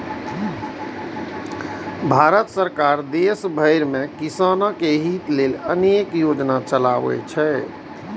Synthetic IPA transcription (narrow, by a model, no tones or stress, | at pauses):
bʱaɾət̪səɾkaɾd̪esbʱəɪɾmekisanəkeɦit̪lelənekjod͡ʒnat͡ʃəlaʋɛ̰t͡ʃʰɛ